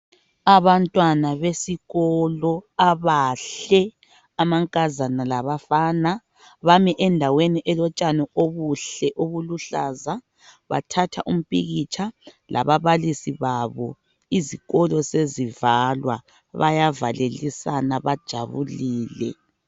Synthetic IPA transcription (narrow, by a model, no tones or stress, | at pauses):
aβantʼwanaβesiɣɔlɔaβaɬɛ | amaŋkʼazanalaβafana | βamɛʔɛndʱaweniʔɛlɔt͡ʃʼanɛoβuɬɛʔoβuluɬaza | βa̰tʰatʰa̰ʔum̩pʼiɣit͡ʃʰʼalʔa̰βaβalisiβaβɔ | iziɣɔlɔsezivalwa̰ | βajavalelisanaβad̥ʒ̥ʱa̰βṵliːlɛ̰